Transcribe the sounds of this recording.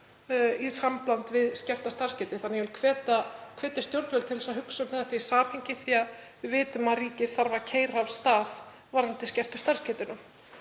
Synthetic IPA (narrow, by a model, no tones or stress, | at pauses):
isamplant̪vɪðscɛr̥t̪ast̪ar̥scɛːt̪ʏθanɪjɛvɪlkʰvɛːt̪akʰv̥ɛːt̪ɪst̪jowɾt̪vɛlt̪ʰɪlsaðɦʏksʏmvðat̪iisaːphɪjɲcɪθiːa | vɪːt̪ʏmaðɾiːcɪθaɾvacʰeːjɾavst̪aːð | vaɾant̪ɪscɛr̥t̪ʏ̥st̪arscɛːt̪ʏnʏ